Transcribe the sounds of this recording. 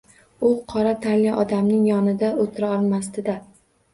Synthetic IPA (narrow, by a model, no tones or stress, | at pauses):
ʊqʰɒɾat̪ʰaliʔɒd̪amnɪŋjɒnɪd̪aot̪ʰɪɾaɒlˠmast̪ɪd̪a